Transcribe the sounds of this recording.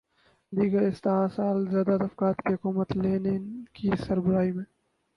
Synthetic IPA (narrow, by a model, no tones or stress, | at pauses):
d̪iːɡɐɾɪst̪ːaːsaːlzjaːd̪ad̪ɐfkaːt̪kiɦʊkuːmət̪leːnekisɐɾbɐɾaːimẽ